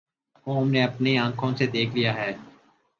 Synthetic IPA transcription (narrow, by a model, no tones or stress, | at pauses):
oːmneːɐpneãːkʰõsed̪eːkʰlijaːɦɛː